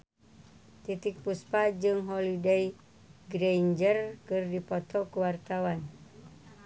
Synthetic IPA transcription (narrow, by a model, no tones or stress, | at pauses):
t̪it̪ik̚puspad͡ʒɨŋɦolidej | ɡɾeɲd͡ʒərkɨrdipot̪ɔkuwart̪awan